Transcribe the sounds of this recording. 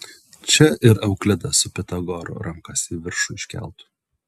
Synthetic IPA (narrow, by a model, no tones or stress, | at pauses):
t͡ʃʲɛɪɾɐʊklʲɪd̪ɐsʊpʲɛt̪ɐɡɔɾʊ̰ɾɐmkɐsʲiːʋʲɪɾʃʊɪʃʲkʲæ̰ˑlˠt̪ʊ̥